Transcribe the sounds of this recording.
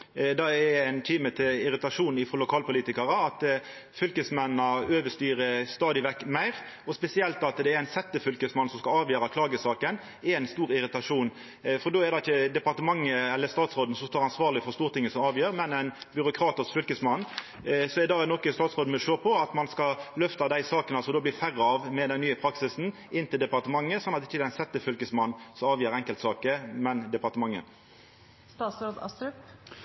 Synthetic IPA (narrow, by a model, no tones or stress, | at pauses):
d̪ɑɛɾæɪnt̪ʰiːmət̪ʰɪlɪɾɪt̪ɑʂuːnɪfʁɔlʊkʰɑːlpʊliːt̪ɪkɑɾəɑt̪ | fʏlkəsmɛnnɑøːʋəʂt̪yːɾəst̪ɑːd̪ɪʋɛkːmæɪʁ | ɔspɛsɪɛlt̪ɑt̪d̪ɛːɾæɪnsɛt̪ːəfʏlkəsmɑnːsɔmskɑɑːʋjøːɾɑkʰlɑːɡəsɑːkən | ɛɾæɪnst̪uːɾɪɾɪt̪ɑʂuːn | fɔʁd̪oːɛd̪ɑɪçːəd̪ɛpɑʁt̪əmɑŋːəɛlːəst̪ɑːt̪sʁoːd̪n̩sɔmst̪oːɾɑnsʋɑːʁlɪfɔʁst̪uːʁt̪ʰɪŋːəsɔmɑːʋjøːɾmɛnæɪnbʏɾʊkʰɾɑːt̪əsfʏlkəsmɑnː | sɔɛd̪ɑːnɔkːəst̪ɑːt̪sʁoːd̪mɔʂøːpʰɔɑt̪mɑnskɑlœft̪ɑd̪æɪsɑːkənɑlsɔd̪oːbliːfæʁəɑʋmɛd̪ɛnnyːəpʰɾɑksɪsn̩ | ɪnːt̪ɪld̪ɛpɑʁt̪əmɑŋːəsɔnːɑt̪ɪçːəd̪ɛɪnsɛt̪ːəfʏlkəsmɑnːsɔmɑːʋjøːɾɛŋkəlt̪sɑːkəmɛnd̪ɛpɑʁt̪əmɑŋːə̰ | st̪ɑːsɾod̪ɑ̰st̪ɾʉp